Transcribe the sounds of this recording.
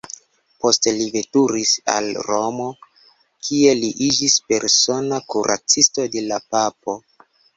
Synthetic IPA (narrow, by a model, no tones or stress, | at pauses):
po̞stelive̞tuɾisa̰lɾo̞mo̞ | kʰie̞liʔid͡ʒispe̞ɾso̞nakuɾʔa̰t͡sisto̞de̞lapapo̞